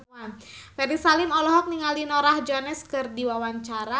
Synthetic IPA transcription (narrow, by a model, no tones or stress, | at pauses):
n | fɛɾisalɪmɔlɔɦɔk̚niŋaldinɔɾahd͡ʒɔnɛskɨrdiwawaɲt͡ʃaɾa